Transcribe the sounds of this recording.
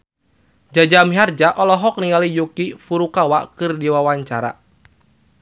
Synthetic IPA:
d͡ʒad͡ʒamiɦard͡ʒaʔɔlɔɦɔk̚niŋalijukifuɾukawakɨrdiwawaɲt͡ʃa̰ɾa̰

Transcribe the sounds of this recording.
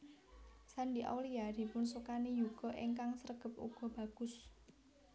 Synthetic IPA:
saɳɖiʔa̰wliad̥i̤pʊnsukanejuɡ̥ɔ̤ʔiŋkaŋsəɾəɡ̥ə̤p̚ṵɡ̥ɔ̤b̥ä̤ɡ̥ʊ̤s

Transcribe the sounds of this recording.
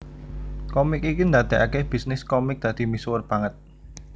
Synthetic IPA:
kɔmɪkikind̪at̪ɛʔakɛb̥isnɪskɔmɪk̚d̪̥ä̤d̪̥i̤miswərb̥aŋət̪̚

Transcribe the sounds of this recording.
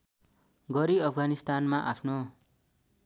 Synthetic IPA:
ɡʌɾiʌpʰɡanist̪anmaʔapʰno

